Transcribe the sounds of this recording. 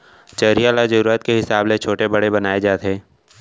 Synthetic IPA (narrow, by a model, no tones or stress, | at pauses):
t͡ʃɐɾijalazɐɾuːɾət̪̚keɦɪsaːblet͡ʃʰoːʈebɐɽebɐnaːed͡ʒaːt̪ɦɛː